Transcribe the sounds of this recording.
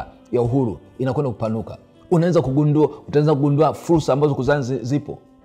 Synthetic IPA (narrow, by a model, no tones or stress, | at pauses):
jauɦuɾṵ | inakwɛndakupanuka̰ | unaɛnzakuɡunduutaɛnzakuɡunduafuɾsaːmbazɔkuzanzzipɔ̰